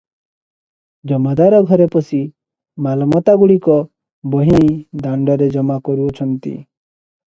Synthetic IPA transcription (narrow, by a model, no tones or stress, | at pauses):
d͡ʒɔmad̪aɾɔɡʱɔɾepɔsi | malɔmɔt̪aɡuɽikɔ | bɔɦiaĩd̪aɳɖɔɾed͡ʒɔmakɔɾuɔt͡ʃʰɔnt̪ḭ